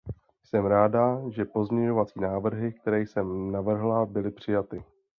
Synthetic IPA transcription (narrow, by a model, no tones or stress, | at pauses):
jsɛmɾaːdaʒɛpo̞zmɲɛɲo̞vat͡siːnaːvr̩ɦɪk̚t̪ɛɾɛjsɛmnavr̩ɦlabɪlɪpr̝̥ɪjat̪ɪ